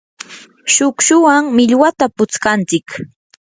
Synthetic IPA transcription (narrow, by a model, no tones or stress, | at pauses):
ʃʊkʃʊwaŋmɪʎwat̪apʊt͡skant͡sɪk